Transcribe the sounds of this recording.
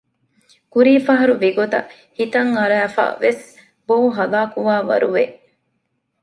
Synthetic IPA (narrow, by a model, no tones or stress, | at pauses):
kuɾiːfɐɦɐɾuʋiɡot̪ɐ̰ | hit̪ɐŋɐɾæːfa̰ːʋes | boːɦɐlaːkuʋaːʋɐ̰ɾuʋeʔ